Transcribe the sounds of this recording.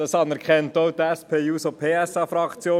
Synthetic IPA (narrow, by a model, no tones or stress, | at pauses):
d̥ɑsɑnɛɾkχɛntowt̪ɛspʰeːuːsopʰeːɛsɑːfɾɑkt͡sjoː